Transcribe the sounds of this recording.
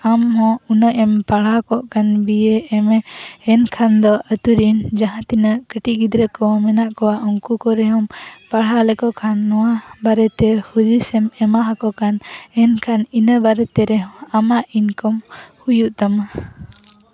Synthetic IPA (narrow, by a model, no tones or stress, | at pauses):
amɦɔ̃unəʔɛmpaɽ̤akɔʔkanbijeːmɛːnkʰand̪ɔʔət̪uɾind͡ʒaɦãt̪inəʔkəʈiʔɡid̪ɾəkɔmɛnaʔkɔwaʔɔŋkukɔɾɛɦɔmpaɽ̤alɛkɔʔkʰanːɔwabaɾɛt̪ɛhud͡ʒusɛmɛmaɦakɔkanɛnkʰaninəbaɾɛt̪ɛɾɛɦɔamaʔinkɔmhujuʔt̪ama